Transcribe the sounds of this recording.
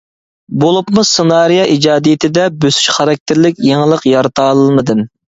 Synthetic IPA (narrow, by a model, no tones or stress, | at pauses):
bolˠupmusɨnɑɾijɑʔid͡ʒɑːd̪ijɪt̪ʰɪd̪ɛbøsy̥ʃχɑɾɑk̚ʲt̪ʰɪɾlɪkʲjeŋəlˠəqjɑɾɨt̪ʰɑːlˠɨlˠmɨd̪ɨm